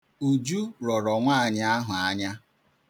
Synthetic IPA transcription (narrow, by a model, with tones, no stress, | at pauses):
u˨d͡ʒu˦ɾɔ˨ɾɔ˨ŋʷaː˦˨ɲa˦a˦ɦʊ˨a˦ɲa˦